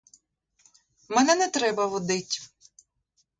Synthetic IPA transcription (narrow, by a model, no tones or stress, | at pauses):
mɛnɛnɛt̪ɾɛbɐʋɔd̪ɪtʲ